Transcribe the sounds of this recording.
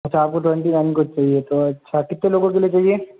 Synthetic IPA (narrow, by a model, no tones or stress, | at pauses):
ɐtːʃʰaːp̚koʈwɛ̃ɳʈinankʊt͡ʃt͡ʃaːɦiet̪oɐtːʃʰakɪt̪ːẽloːɡõk̬eliet͡ʃaːɦie